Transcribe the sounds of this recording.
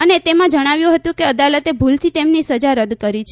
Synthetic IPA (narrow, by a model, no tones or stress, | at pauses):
ənet̪emãd͡ʒəɽ̃aʋjũɦət̪ũkeəd̪alət̪ebʱult̪ʰit̪emnisəd͡ʒaɾəd̪kəɾit͡ʃʰ